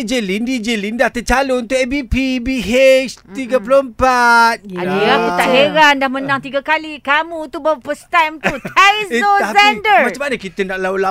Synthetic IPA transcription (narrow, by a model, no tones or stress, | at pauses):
d͡ʒelindid͡ʒelindaht̪ət͡ʃalount̪ʊʔɛbipibiɦet͡ʃt̪iɡəpuloəmpat̪̚adiakut̪aʔɦeɾandahmənãŋt̪iɡakalikamũt̪ubawapəst̪amt̪ut̪asosɛndəmat͡ʃamanakit̪ənaʔlaula